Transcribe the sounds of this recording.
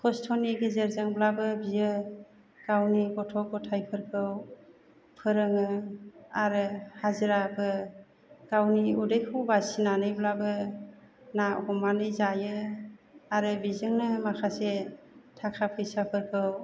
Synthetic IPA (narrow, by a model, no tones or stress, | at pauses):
kʰɔstʰɔniɡezeɾzaŋblabɯbijɯ | ɡ̥awniɡɔtʰɔɡɔtʰajpʰɯɾkʰɯw | pʰɯɾɯŋɯaɾɯhaziɾabɯ | ɡ̥awniudɯjkʰɯwbasinanɯjblabɯ | naɔ̰kɔmanɯjzajɯ | aɾɯbizɯŋnɯmakʰase | tʰakʰapʰɯjsapʰɯɾkʰɯw